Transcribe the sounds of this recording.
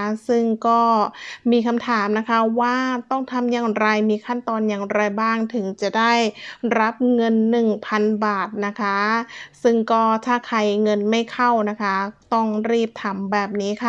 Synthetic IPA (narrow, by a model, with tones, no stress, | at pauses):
sɯ˥˩ŋkɔː˥˩miː˧kʰa˧mt̪ʰaː˩˦mna˦˥kʰa˦˥waː˥˩t̪ɔ˥˩ŋt̪ʰa˧mjaː˨˩ŋɾa˧jmiː˧kʰa˥˩nt̪ɔː˧njaː˨˩ŋɾa˧jbaː˥˩ŋt̪ʰɯ˩˦ŋt͡ɕa˨˩ʔdaː˥˩jɾa˦˥p̚ŋɤ˧nːɯ˨˩ŋpʰa˧nbaː˨˩t̪̚na˦˥kʰa˦˥sɯ˥˩ŋkɔː˥˩t̪ʰaː˥˩kʰa˧jŋɤ˧nma˥˩jkʰa˥˩wna˦˥kʰa˦˥t̪ɔ˥˩ŋɾiː˥˩p̚t̪ʰa˩˦mbɛː˨˩p̚niː˦˥kʰa˥˩